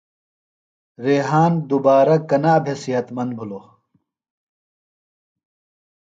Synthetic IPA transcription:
ɾeːɦaːnd̪ubaːɾɐkɐnaːbʱesijɐt̪mɐnd̪̚bʱulo

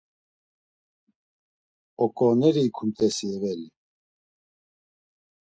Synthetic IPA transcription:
ɔkʼɔnɛɾikʰumt̪ʼɛsiɛvɛli

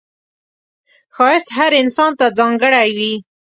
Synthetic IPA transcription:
xɑɪst̪ɦaɾɪnsɑnt̪ad͡zɑŋɡəɽajwi

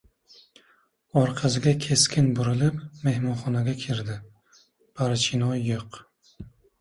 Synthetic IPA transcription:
ɒɾqʰɑsɪɡʲakʲʰe̞skʲʰɪnbʊɾɪlɪpme̞hmɒnχɒnaɡʲakʲʰɪɾd̪ɪ | pʰaɾt͡ʃʰɪnɒjːoq

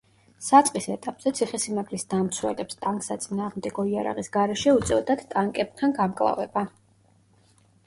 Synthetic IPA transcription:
sat̪sʼqʼisɛt̪ʼapʼz̥ɛt̪sʰiχɛsimaɡlisd̪amt̪sʰwɛ̰lɛpst̪ʼaŋkʼsat̪sʼinaːʁmd̪ɛɡɔiaɾa̰ʁisɡaɾɛʃɛut̪sʼɛvd̪at̪t̪ʼaŋkʼɛb̚t̪ʰanɡamkʼlˠa̰vɛ̰ba

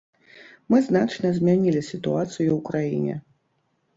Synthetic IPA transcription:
mɨznat͡ʂnɐzʲmʲanʲilʲisʲit̪uat̪sɨjuwkɾajḭnʲɛ̰

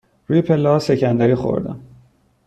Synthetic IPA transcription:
ɾuːjepʰelːehɒse̞cʰænd̪æɾiːxo̞̰ɾd̪æ̰m

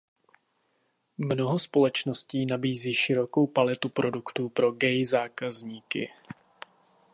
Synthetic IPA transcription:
mno̞ɦo̞spo̞lɛt͡ʃno̞sciːnabiːziːʃɪɾo̞ko̞wpalɛt̪upɾo̞dukt̪uːpɾo̞ɡɛjzaːkazɲiːkɪ̰

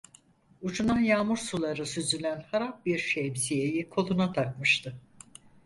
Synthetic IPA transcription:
ut͡ʃunanjaːmuɾsulˠaɾɯsyzylʲænhaɾap̚biɾʃemszijejikʰo̞lˠunat̪ʰak̚mɯʃt̪ʰɯ

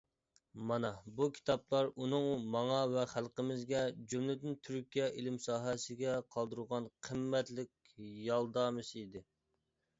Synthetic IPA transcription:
mɑnɑbukʲʰi̥t̪ʰɑplˠɑɾunɨŋmɑŋɑvɛχælˠqəmɪzɡʲɛd͡ʒymlɪd̪ɪnt̪ʰyɾkʲijɛʔilɪmsɑːɦɛsɪɡʲɛqʰɑlˠd̪ɨɾʁɑnqʰəmːɛt̪lɪkʲ | jɑlˠd̪ɑmɨsid̪ɪ

